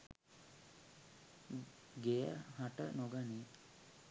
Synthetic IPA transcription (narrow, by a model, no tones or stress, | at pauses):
ɡejəhaʈənoɡani